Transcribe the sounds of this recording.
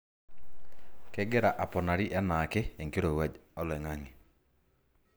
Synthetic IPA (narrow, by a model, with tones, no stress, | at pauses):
ke˦ɡe˦ɾa˨ʔa˨pɔ˨na˨ɾi˦ʔɛ˦na˨ke˦e˨ŋke˦ɾo˨wɛ˦ɔ˦lɛ˨ŋa˦ŋe˨